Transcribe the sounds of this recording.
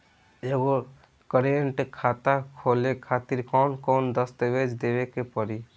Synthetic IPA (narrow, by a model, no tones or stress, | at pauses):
eɡo | kəɾeɳʈekʰat̪akʰolekʰat̪iɾkɔʊnkɔnd̪əst̪eʋed͡ʒd̪ebekepəɾi